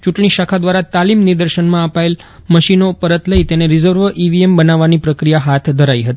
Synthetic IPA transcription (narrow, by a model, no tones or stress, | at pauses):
t͡ʃuʈɳiʃakʰad̪ʋaɾat̪alimniɾd̪əɾʃənmãəpael | məʃinopəɾət̪ləit̪eneɾɪzəɾʋəʔiʋiembənaʋːanipɾəkɾijaɦat̪ʰd̪ʱəɾaiɦət̪i